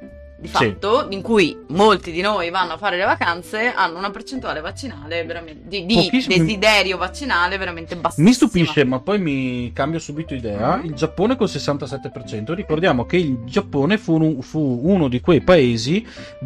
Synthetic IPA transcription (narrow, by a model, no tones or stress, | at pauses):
d̪ifait̪ːoiŋkujmolt̪id̪inoːjvanːoafːaːɾelevakant̪seʔa̰nːounapert͡ʃent̪uaːlevat͡ʃːinaːleveɾamed̪id̪ipoisːd̪ezid̪ɛːɾjovat͡ʃːinaːleveɾament̪ebasmist̪upiʃːemapːɔjmikambjosuːbit̪oid̪ɛːaild͡ʒapːoːnekolsesːant̪asɛt̪ːepert͡ʃɛnt̪oɾikord̪jaːmokeild͡ʒapːoːnefuufuunod̪ikwejpaeːzi